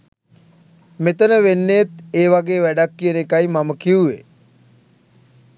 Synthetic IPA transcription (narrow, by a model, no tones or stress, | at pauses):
met̪ənəʋenːet̪eːʋaɡeːʋæɖakːiənekajmaməkiuʋe